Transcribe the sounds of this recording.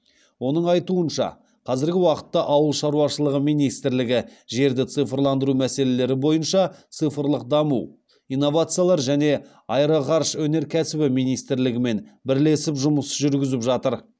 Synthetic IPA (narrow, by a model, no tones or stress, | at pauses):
wo̞nəɴɑjt̪uənʃɑ̰ | qʰɑzɪɾɡʲɪwɑqə̥t̪ːɑʔɑwəlˠʃɑɾuwɑʃəlˠəʁəmijnijst̪ɾlɪɡʲɪʒe̞ɾd̪ɪt̪sɨfrlˠɑnd̪əɾumæse̞le̞le̞ɾɪbo̞jənʃɑt̪sɨfɾlˠəq̚d̪ɑmṵw | ijnːo̞vat̪sɨjalˠɑɾʒæne̞ | ɑjɾɑʁɑɾʃwɵne̞ɾkʲʰæsɪbɪmijnijst̪ɪɾlɪɡʲɪme̞nbɪɾle̞sɪpʒʊməsʒʏɾɡʲɪzɪpʒɑt̪əɾ